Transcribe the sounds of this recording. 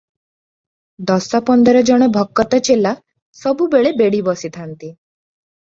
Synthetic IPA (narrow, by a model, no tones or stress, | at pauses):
d̪ɔsɔpɔnd̪ɔɾɔd͡ʒɔɽ̃ɔbʱɔkːɔt̪ɔt͡ʃela | sɔbubeɭebeɽibɔsit̪ʰant̪i